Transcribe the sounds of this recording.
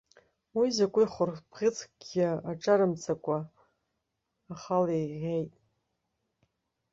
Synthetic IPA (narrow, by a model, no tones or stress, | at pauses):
wizakʷʼʊjχʷʊrpʁʲɪt͡sʰʼɡʲaaʈ͡ʂʼaɾɨmt͡sʰakʷʼa | χalejʁʲejtʼ